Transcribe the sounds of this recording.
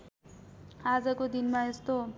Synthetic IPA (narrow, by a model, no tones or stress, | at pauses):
ad͡zʌkod̪inmaest̪o